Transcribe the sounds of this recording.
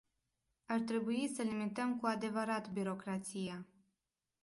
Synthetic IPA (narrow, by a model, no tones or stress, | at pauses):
art̪ɾe̞buisəlimit̪əmkuad̪e̞vəɾat̪biɾo̞kɾat̪sija